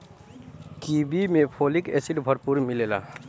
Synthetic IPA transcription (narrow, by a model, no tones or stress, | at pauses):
kibimepʰolikḛsiʈbʱəɾpuɾmilela̰